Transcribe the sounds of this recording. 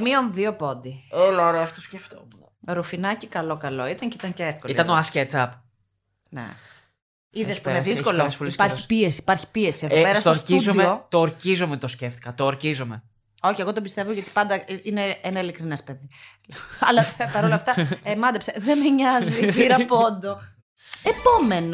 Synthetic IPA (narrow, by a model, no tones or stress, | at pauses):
mionðio̞po̞nd̪ielɐɾeɐt̪osceft̪o | ɾufinɐcikɐlo̞kɐlo̞it̪ɐɲŋcit̪ɐɲceefkolit̪ɐnoɐscet͡sɐp | nḛ | iðespuneðisko̞losolispɐɾçipie̞siːpɐɾçi̥pie̞sieðopeɐsɐst̪oɾcizomeot̪oːɾcizomet̪osceft̪ikɐt̪oːɾcizome | o̞çieɣo̞t̪obist̪e̞voʝɐt̪i̥pɐnd̪ɐineenɐilikɾinespeði | ɐlɐpɐɾolɐft̪ɐemɐnd̪epseðemeɲɐzipiɾɐpond̪o̞ | epo̞me̞n